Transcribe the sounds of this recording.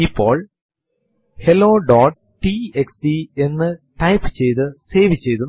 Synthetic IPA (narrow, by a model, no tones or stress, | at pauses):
ipːo̞ːɭ | helo̞ːɖoːʈ | ʈieksdie̞nːɨʈɐjpːɨ̥t͡ɕe̞jt̪ɨseːʋit͡ɕːe̞jt̪u